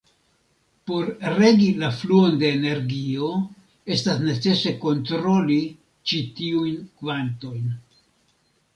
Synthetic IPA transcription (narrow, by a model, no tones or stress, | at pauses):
po̞ɾɾe̞ɡilafluo̞nde̞ːne̞ɾɡio̞ | e̞stasne̞t͡se̞se̞ko̞ntɾo̞li | t͡ʃitiujnkvanto̞jn